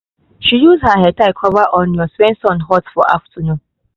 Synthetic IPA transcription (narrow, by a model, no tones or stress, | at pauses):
ʃijuzhaɦɛtaɪkʰɔvaʔɔ̃njɔswɛ̃nsɔ̃nɦɔtfɔʔa̰ftʰənũːn